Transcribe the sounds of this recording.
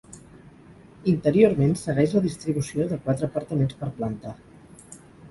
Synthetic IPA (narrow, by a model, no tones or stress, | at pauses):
int̪əɾioɾmensəɣɛʃləðist̪ɾiβusioðəkwat̪ɾəːpəɾt̪əmenspəɾplənt̪a